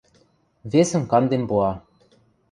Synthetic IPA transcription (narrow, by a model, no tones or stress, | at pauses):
vʲesə̆nkɑnd̪emboɑ